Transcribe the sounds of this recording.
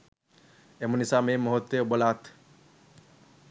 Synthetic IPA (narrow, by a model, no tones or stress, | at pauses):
emonisamemɔɦot̪ːebəlaːt̪ʰ